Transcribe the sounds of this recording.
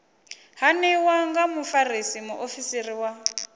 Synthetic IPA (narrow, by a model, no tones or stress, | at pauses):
ɦanɛwaŋɡamufarisimuʔofisiriwa